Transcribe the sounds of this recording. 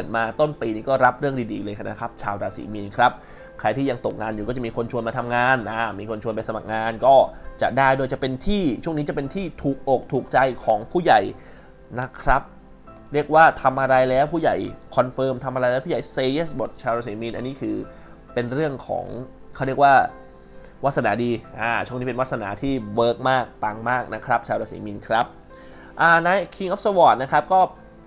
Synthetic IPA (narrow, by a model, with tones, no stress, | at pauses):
pɯ˨˩ət̪̚maː˧t̪o˥˩npiː˧niː˥˩kɔː˥˩ɾa˦˥p̚ɾɯ˥˩əŋdiː˧dḭː˧lɤː˧jkʰa˧na̰˦˥kʰɾa˦˥p̚t͡ɕʰaː˧wɾaː˧sḭː˩˦miː˧nkʰɾa˦˥p̚ | kʰɾa˧jt̪iː˥˩ja˧ŋt̪o˨˩k̚ŋaː˧njkɔː˥˩t͡ɕa˨˩miː˧kʰo˧nt͡ɕʰu˧ənmaː˧t̪ʰa˧mŋaː˧nʔa˧˩miː˧kʰo˧nt͡ɕʰu˧ənpa˧sa˧ma˨˩k̚ŋaː˧nkɔː˥˩t͡ɕa̰˨˩ʔdaː˥˩jdoː˧jt͡ɕa˨˩pe˧nt̪ʰiː˥˩t͡ɕʰu˥˩əŋniː˦˥t͡ɕa˨˩pe˧nt̪ʰiː˥˩t̪ʰuː˨˩k̚ʔo˨˩k̚t̪ʰuː˨˩k̚t͡ɕa˧jkʰɔː˩˦ŋpʰuː˥˩ja˨˩j | na˦˥kʰɾa˦˥p̚ | ɾi˥˩ək̚waː˥˩t̪ʰa˧mʔa˧ɾa˧jlɛː˦˥wpʰuː˥˩ja˨˩jkʰɔ˧nfɤː˧mt̪ʰa˧mʔa˧ɾa˧jlɛː˦˥pʰːa˨˩jseː˧ʔeː˦˥˩sbo˨˩t̪̚t͡ɕʰaː˧wɾaː˧˥siː˨˩˦mi˧nʔa˧nːiː˦˥kʰɯː˧ | pe˧nɾɯ˥˩əŋkʰɔ̰ː˩˦ŋ | kʰa˦˥wɾi˥˩ək̚waː˥˩ | wa˦˥t̪̚sa˧naː˩˦diː˧ʔaː˨˧˩t͡ɕʰu˥˩ŋniː˦˥pe˧nwa˦˥t̚sa˧na̰ː˩˦t̪ʰiː˥˩wɤː˦˥k̚maː˥˩k̚t̪aː˧ŋmaː˥˩k̚na˦˥kʰɾa˦˥p̚t͡ɕʰaː˧wɾaː˧˥sḭ˩˦mi˧nkʰɾa˦˥p̚ | ʔaː˧˩na˦˥jkʰi˧ŋʔɔ˦˥p̚sə˧wɔː˨˩t̪̚na˦˥kʰɾa˦˥p̚kɔː˥˩